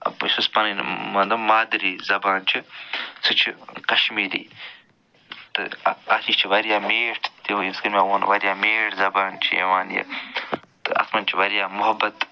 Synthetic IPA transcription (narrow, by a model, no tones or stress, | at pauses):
ɐ̰bsɐspɐninmɐnd̪ɐmaːd̪ɾiːzɐbaːnt͡ʃʰisʰɨt͡ʃʰikɐʃmiːɾḭː | t̪ɨ̰aːsiːt͡ʃʰiʋɐɾijaːmeːʈʰt̪ejiskɐnmʲaːoːnʋɐɾijaːmeːʈzɐbaːnt͡ʃʰijḛʋaːnjɐ̰ | t̪ɨɐ̰smɐnt͡ʃʰiʋɐɾjaːmʊɦɐbːɐt̪